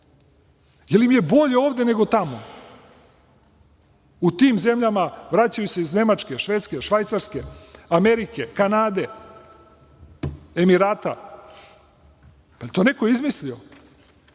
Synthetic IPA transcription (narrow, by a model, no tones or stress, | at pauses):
jelimje̞bo̞ʎeoːʋd̪e̞ne̞ɡo̞t̪amo | ut̪iːmze̞mʎamaʋɾat͡ɕajuseizne̞mat͡ʃke̞ʃʋe̞ːt̪ske̞ʃʋajt̪saɾske̞ame̞ɾike̞kanaːd̪e̞ | emiɾaːt̪a | pat̪o̞ne̞koizmislio